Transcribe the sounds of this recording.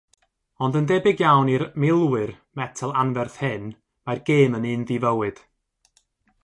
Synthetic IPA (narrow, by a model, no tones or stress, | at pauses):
ɔndəndɛbɪɡjawniɾmɪlˠwɨr | mɛtʰəlˠanvɛrθhɪn | marɡeːmənɨːnðɪvəwɨd̥